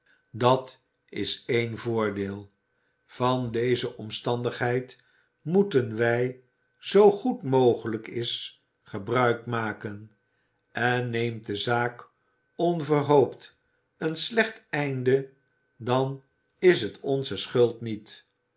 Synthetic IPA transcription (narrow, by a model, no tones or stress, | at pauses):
dɑt | ɪsejnvʊːɹdeːlˠ | v̥ɑndejzəʔɔmstɑndəχɦɛjt | mutənʋɛj | z̥owχutmowχələkɪs | χəbrœɥkmaːkən | ɛnːejmtdəzaːk | ɔnvərɦowpt | ənslɛχtɛjndə | dɑn | ɪsɦətʰɔnzəsχɵlˠtnit